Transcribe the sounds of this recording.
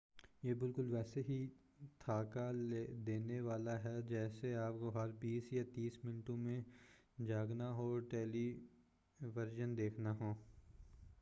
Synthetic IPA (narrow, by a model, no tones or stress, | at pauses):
jeːbɪlkʊlʋɛːseɦi | t̪ʰaːkad̪eːneʋaːlaɦɛd͡ʒɛːseaːpkoɦɐɾbiːsjat̪iːsmɪnʈõmẽ | d͡ʒaːɡnaɦoːʈɛːli | ʋɐɾd͡ʒənd̪eːkʰnaɦoː